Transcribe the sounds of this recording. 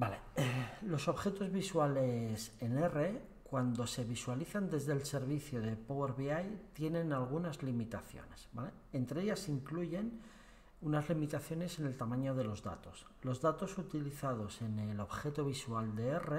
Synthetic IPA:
balelo̞so̞βxe̞t̪o̞zβiswalese̞ne̞re̞ | kwand̪o̞se̞βiswaliθand̪e̞zðe̞lse̞ɾβiθjoðe̞poweɾβiajt̪je̞nẽ̞nalɣunazlimit̪aθjo̰ne̞sba̰le̞ | ent̪ɾeeʝasiŋkluʝe̞n | unazlimit̪aθjo̞ne̞se̞ne̞lt̪amãɲo̞ð̞e̞lo̞zða̰t̪o̞s | lo̞zðat̪o̞sut̪iliθað̞o̞se̞ne̞lo̞βxe̞t̪oβ̞isuald̪e̞ere

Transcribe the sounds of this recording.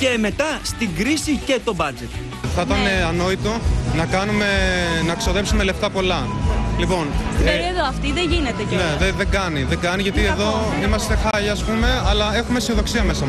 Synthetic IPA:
ce̞me̞t̪ɐst̪iɡɾisice̞t̪o̞bɐd͡ze̞t̪ | θɐt̪ɐne̞ɐno̞it̪unɐkɐnume̞nɐkso̞ðe̞psume̞le̞ft̪ɐpo̞lɐlipo̞nkeɾieðoɐft̪iðeʝinet̪ecneðeðe̞ŋɡɐniðeŋɡɐniʝɐt̪ieðo̞ | imɐst̪exɐʎɐːspume̞ɐlɐe̞xumesio̞ðo̞ksiɐme̞sɐ

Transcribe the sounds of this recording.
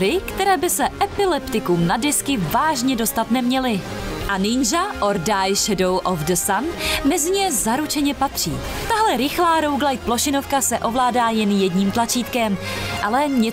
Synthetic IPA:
ɾɪkt̪ɛɾɛːbɪsɛʔɛpɪlɛpt̪ɪkumnadɛskɪvaːʒɲɛdo̞st̪at̪nɛmɲɛlɪ | ʔanɪɲʒaʔoɾdajʃɛdowʔofdəsanmɛzɪɲɛzaɾut͡ʃɛɲɛpat̪r̝̥ḭː | t̪aɦlɛɾɪxlaːɾo̞wɡlajt̪̚plo̞ʃɪno̞fkasɛʔo̞vlaːdaːjɛnjɛdɲiːmt̪lat͡ʃiːt̪kɛmʔalɛɲɛ

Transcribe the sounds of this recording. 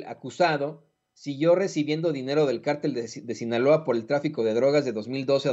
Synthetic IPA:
a̰kusaðo̞ | siɣjo̞re̞siβje̞nd̪o̞ðine̞ɾo̞ð̞e̞lkaɾt̪e̞ld̪e̞sinalo̞apo̞ɾe̞lt̪ɾafiko̞ðe̞ðɾo̞ɣazðeðo̞zmild̪o̞se̞

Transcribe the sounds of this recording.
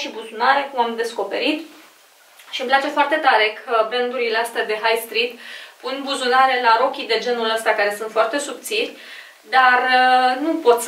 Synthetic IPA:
ʃibuzunaɾe̞kumamd̪e̞sko̞pe̞̰ɾit̪ | ʃimplat͡ʃe̞foart̪e̞t̪aɾe̞kʰəbɾent̪uɾileast̪ead̪e̞ɦajst̪ɾit̪punbuzunaɾe̞laɾo̞kʲid̪e̞d͡ʒe̞nuləst̪akaɾe̞sunt̪foart̪e̞sub̚t̪silʲ | d̪arnupo̞t̪s

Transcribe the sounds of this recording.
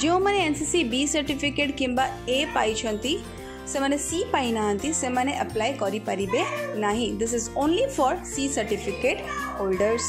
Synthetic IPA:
d͡ʒiõmɐnẽensisibiːsɐɾʈifɪkeːʈkɪ̃mbaeːpa̰ːit͡ʃʰɐ̃nt̪ʰi | sẽmɐnẽsiːpaːinaɦə̃nt̪ʰisẽmɐnẽʔɐplaːikɔːɾipɐɾibẽnaːɦĩd̪ɪs̬ɪzõːnlifɔːɾsiːsɐɾʈɪfɪkeːʈhoːlɖəɾz̥

